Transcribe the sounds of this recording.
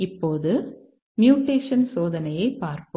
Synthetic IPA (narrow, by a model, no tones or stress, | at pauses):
ɪpːoːðɯ | mjuːʈeːʂɐnsoːðɐnɐjɐɪpaːɾpɯ